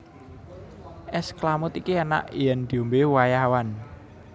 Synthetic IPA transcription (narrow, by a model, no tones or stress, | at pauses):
ʔɛsklamʊt̪ikiana̰ʔijɛnd̪̥i̤ombewajawan